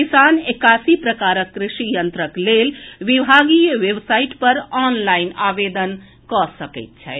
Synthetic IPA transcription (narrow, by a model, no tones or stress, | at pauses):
kisanekasipɾəkaɾəkːɾɪʃijənt̪ɾəklelʋibʱaɡijwebsaiʈpəɾɔnlainabed̪ən | kɔsəkɛ̰ɪt̪̚t͡ʃʰɛ̰